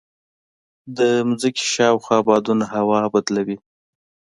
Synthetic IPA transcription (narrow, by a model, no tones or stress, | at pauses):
d̪əmʊzəke̥ʃɑwxwɑbɑd̪unaɦawɑbad̪lawi